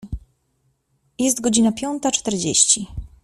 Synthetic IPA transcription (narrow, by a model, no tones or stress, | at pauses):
jɛst̪ɡɔd͡ʑinapʲjɔnt̪at͡ʂt̪ɛɾd͡ʑeɕt͡ɕi